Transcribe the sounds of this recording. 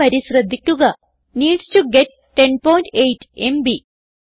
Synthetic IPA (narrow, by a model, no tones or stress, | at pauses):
ɐɾisɾɐd̪ʱːikʲːuɡɐ | niːɖsʈuɡeʈ̚ːenpoːjɳʈejʈembi